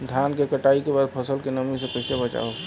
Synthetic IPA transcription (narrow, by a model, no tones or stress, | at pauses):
d̪ʱjankekəʈaikebad̪̚pʰəsəlkenəmisẽkəɪsebət͡ʃa̰o